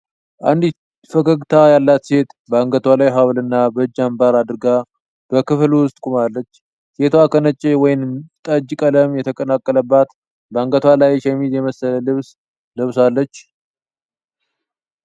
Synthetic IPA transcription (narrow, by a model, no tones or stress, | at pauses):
ʔa̰nd̪ | fəkəɡt̪ʰajalːat̪se̞t̪bəaŋɡət̪ʰwalajɦawlɨnːabəd͡ʒːambaɾad̪ɨɾɡa | b̥əkɨflwʊst̪ʼkʼumalːət͡ʃː | se̞t̪ʰwakʰənət͡ʃʼːewɔjɪnt̪ʼəd͡ʒːkʼələmjɛt̪ʰəkʼənakʼːələbːat̪ | bəaŋɡət̪ʰwalajʃɛmid̪jɛməsələlɨβs | lɨβsalːət͡ʃː